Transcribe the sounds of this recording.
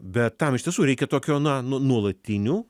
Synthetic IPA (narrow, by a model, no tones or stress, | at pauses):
bʲɛt̪t̪ːɐmɪʃt̪ʲiɛsuːɾʲɛɪkʲɛt̪oːkʲoːnɐnʊnuɔlˠɐt̪ʲɪnʲuː